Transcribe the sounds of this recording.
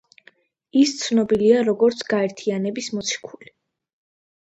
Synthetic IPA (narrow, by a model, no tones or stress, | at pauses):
ist̪sʰnɔbiliaɾɔɡɔɾt̪sʰɡ̥aɛɾt̪ʰianɛbismɔt̪sʰi̥kʰuli